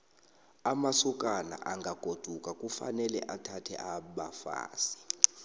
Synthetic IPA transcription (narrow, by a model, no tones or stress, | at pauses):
amasɔk̬ʼana̰ʔaŋɡʱaɡ̥ʱod̥ʱukʼakʼufa̰nɛlɛ̰ʔatʰatʰɛ̰ʔaɓafa̰ːsi̥